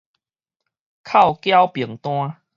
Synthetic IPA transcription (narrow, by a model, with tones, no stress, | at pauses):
kʰa˥˨wkja˦wpji˨˩əŋt̪w̃ã˦